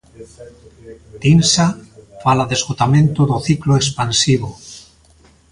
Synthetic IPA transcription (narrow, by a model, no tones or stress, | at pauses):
t̪insafalaðezɣot̪amẽnt̪oðoθikloekspansiβ̞o